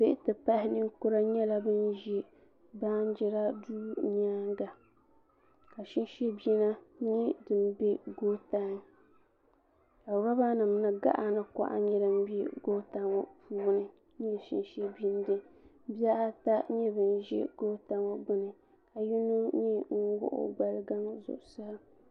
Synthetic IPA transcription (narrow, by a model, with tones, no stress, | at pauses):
be˦ʔɪ˦tɨ˨pa˦hɪ˦nɨ˦ŋkʊ˦ɾa˦ɲɛ˦la˨bɨ˦nʒɛ˦ | ba˦n˦d͡ʒɛ˦ɾa˦duː˦ɲ˦aː˦ŋɡa˨ | ka˨ʃi˦n˦ʃɛ˦bi˦na˦ɲi˦dɨ˨m˦be˦ɡoː˦ta˦ŋ | ka˨ba˦ba˦nɨ˨mnɨ˦ɡa̰˦ʔa˨nɨ˨ka̰˨ʔa̰˦ɲɛ˦ɾɨ˦m˦bi˦ɡo˦ta˦ŋo̰˨puː˦nɨ˨ | ɲi˦˨ʃḭ˦nʃe˦bi˦n˦dɨ˦ | bi˦a˦ʔa˦ta˦ɲɛ˦bɨ˨n˦ʒɛ̰˦ɡ̥oː˦ta˦ŋɔ˨bɨ˦nɨ˨ | a˨ji˦nu˦ɲi˦ŋ̩˦ɡʊ̰˦ʔʊ̰˨ɡ͡ba˦lɨ˦ɡa˦ŋzʊ̰˨ʔsa˦